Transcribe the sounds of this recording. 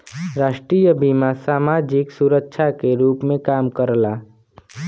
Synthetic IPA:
ɾaːʃʈɾiːjəbʱimãsaːmaːd͡ʒɪksuɾəkʃʰakeɾuːpmẽkaːmkəɾlaː

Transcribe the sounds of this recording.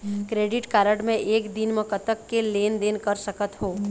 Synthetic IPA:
kɾeːɖɪʈkaːɾəʈmẽʔeːkd̪ɪnməkət̪əkːeleːnd̪eːnkəɾsəkət̪ɦoː

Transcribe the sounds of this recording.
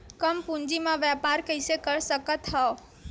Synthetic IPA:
kəmpũɲd͡ʒimãʋjapaːɾkəɪsekəɾsəkət̪ɦɛ

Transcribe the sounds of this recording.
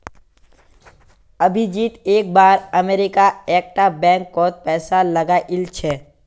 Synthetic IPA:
ɐbʱid͡ʒiːt̪eːk̚baːɾɐmeːɾɪkaeːk̚ʈabɛ̃ːŋkːɔːt̪̚pɛːsalɐɡaʔɪlt͡ʃʰɛː

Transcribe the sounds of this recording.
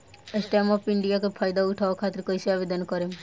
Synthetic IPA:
esʈamɔpiɳɖijakepʰajd̪auʈʰaakʰat̪ːɾekɔjsiabed̪ʱɔnkɔɾem

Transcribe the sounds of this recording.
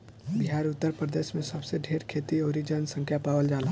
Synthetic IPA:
biɦaːɾʊt̪ːəɾpɾəd̪eːʃmẽsəbseɖʱeːɾkʰeːt̪ioːɾid͡ʒənsə̃ŋkʰjapaːwəld͡ʒaːla

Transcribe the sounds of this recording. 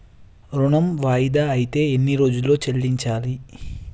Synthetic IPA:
ɾuɳɐmʋaːjid̪aːɐjit̪e̞ːenːiɾo̞ːd͡ʒulːo̞ːt͡ʃelːiɲt͡ʃaːli

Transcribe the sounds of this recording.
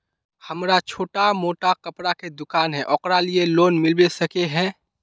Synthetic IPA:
hɐmɾat͡ʃʰoːʈamoːʈakəpɾaked̪ʊkaːnɦɛ̃ʔɔqɾalieloːnmɪlbesəkeɦɛ̃ː

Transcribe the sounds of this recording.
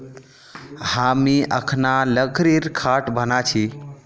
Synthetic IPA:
hamiʔəkʰnaləkʰɾiɾkʰaʈbənat͡ʃʰi

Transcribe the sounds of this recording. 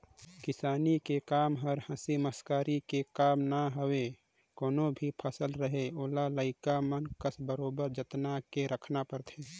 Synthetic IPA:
kɪsaːnikekaːmɦəɾhə̃siməskaːɾikekaːmnaɦəwe | koːnõbʱipʰəsəlɾəɦeoːlaləɪkamənkəsbəɾoːbəɾd͡ʒət̪nakeɾəkʰnapəɾt̪ʰeː

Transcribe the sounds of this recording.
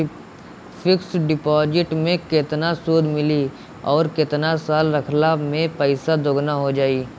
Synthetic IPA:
fʰɪksɖɪpɔːd͡ʒɪʈmẽkɪt̪nasuːd̪ʱmɪli | ɔːɾkɪt̪nasaːlɾɐkʰnamẽpəɪsad̪ʱʊɡnaɦod͡ʒaːiː

